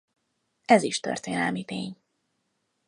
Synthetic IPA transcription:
ɛziʃt̪ø̰rt̪eːnɛlmit̪eːɲ

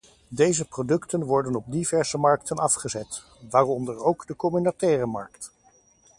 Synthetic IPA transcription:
dejzəprodɵktənʋɔɹdənɔb̚divɛɹzəmɑɹktʰənɑfχəzɛt | ʋaːrɔndəɹowɡdəkɔmynatɛːrəmɑ̰ɹkt

